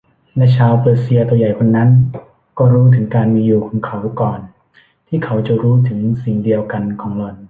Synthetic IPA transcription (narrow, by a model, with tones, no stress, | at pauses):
lɛ˦˥t͡ɕʰaː˧wpɤː˨˩t̪̚si˧ɐt̪u˧ja˨˩jkʰo˧nːa˦˥n | kɔː˥˩ɾuː˦˥t̪ʰɯ˩˦ŋkaː˧nmiː˧juː˨˩kʰɔː˩˦ŋkʰa˨˦˥wkɔː˨˩n | t̪ʰiː˥˩kʰa˩˦˥wt͡ɕa˨˩ɾuː˦˥t̪ʰɯ˩˦ŋsi˨˩ŋdi˧əwka˧nkʰɔː˩˦ŋlo˨˩n̚